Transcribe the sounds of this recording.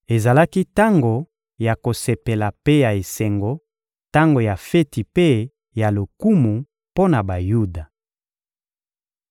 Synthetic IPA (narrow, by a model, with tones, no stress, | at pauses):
e˨za˨la˦ki˦ta˦ŋɡo˨ | ja˨ko˨se˨pe˨la˨pe˦ja˨e˨se˨ŋɡo˨ | ta˦ŋɡo˨ja˨fe˦ti˨pe˦ | ja˨lo˨ku˦mu˨ | po˦na˨ba˨ju˦da˨